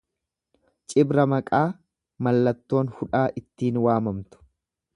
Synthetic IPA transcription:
t͡ʃʼɪbɾɐmɐkʼaː | mɐlːɐt̪ːo̞ːnhʊᶑaːʔɪt̪ːiːnwaːmɐmt̪ʊ̥

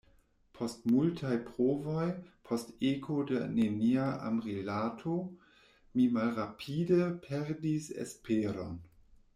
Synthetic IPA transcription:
pʰo̞stmultʰajpɾovojpʰo̞stekʰodeneniaʔa̰mʁelatʰo | mimalɾapʰidepʰeɾdisḛspʰeɾo̞n

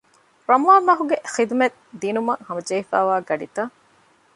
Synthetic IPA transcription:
ɾɐmuaːmːɐɦuɡexid̪met̪ | d̪iːnumɐhɐmɐd͡ʒeifæ̰ːʋaːɡɐɖit̪ɐ

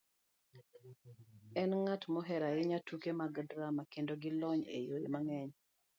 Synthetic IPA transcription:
ɛnŋatmɔɦɛɾaɪɲatukemaɡdɾamakendoɡɪlɔɲḛjojḛmaŋɛɲ

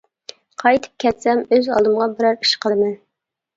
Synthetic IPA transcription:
qʰɑjt̪ʰɨ̥p̚kʲʰɛt̪sɛmøzɑ̰lˠd̪ɨmʁɑbɪɾɛɾiʃqʰəmɨ

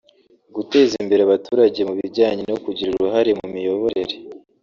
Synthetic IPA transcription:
ɡute̞ːzimbe̞ɾeaβatuːɾaɟe̞muβiɾɟaːɲenokuɟiɾuɾuɾuɦaɾe̞mumijo̞βo̞ɾe̞ɾe̞

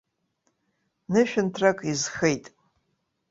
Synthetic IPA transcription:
nɨʃᶣɪntʰrakʼizχejtʼ

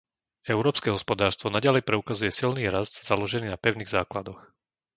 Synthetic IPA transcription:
ɛʊɾɔːpskɛɦɔspɔd̪aːɾst̪ʋɔnaɟalɛjpɾɛukazujɛsilniːɾazd̪zalɔʒɛniːnapɛʊniːɣzaːklad̪ɔx

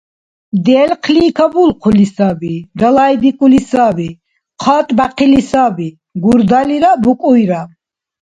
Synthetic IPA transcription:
d̪ɛlqʰliːkʰabulqʰulisabid̪alaid̪ikʼulisabi | qʰɔːt̪ʼbaqʰilisabi | ɡuɾd̪aliɾabukʼujɾa

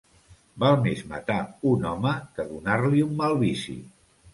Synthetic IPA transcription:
balˠmezmə̰t̪aunɔməkəðunaɾliumːalˠβisḭ

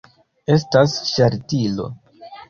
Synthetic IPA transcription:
e̞stasʃaɾtilo̞̰

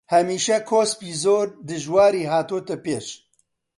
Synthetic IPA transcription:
hɛmiːʃɛkʰoːspiːzoːɾd̪ɨʒwaːɾiːɦaːt̪oːt̪ɨpeːʃ

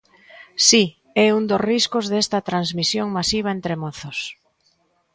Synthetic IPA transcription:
si | ɛund̪osriskozðest̪ɐt̪ɾanzmisjoŋmasiβ̞aent̪ɾemoθos

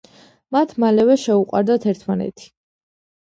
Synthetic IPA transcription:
mat̪ʰmalɛvɛʃɛuqʼwa̰ɾd̪at̪ʰɛɾt̪ʰmanɛ̰t̪ʰi̥

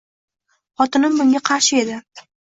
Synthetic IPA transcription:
χɒt̪ɪnɪmbʊŋʲaqʰɑɾʃɪe̞d̪ɪ

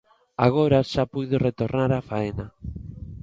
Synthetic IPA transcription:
a̰ɣ̞oɾaʃapujðoret̪oɾnaɾafaena

